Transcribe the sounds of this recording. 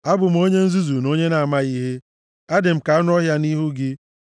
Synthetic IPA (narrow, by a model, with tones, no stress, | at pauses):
a˦bʊ˨m̩˦o˦ɲe˦n̩˦zu˦zu˨no˦ɲe˦na˨a˨ma˦i˦ɦe˦ | a˦dɪ˨m̩˨ka˨˦nʊ˦ɔ˦ɦja˦ni˦ɦu˦ɡɪ˦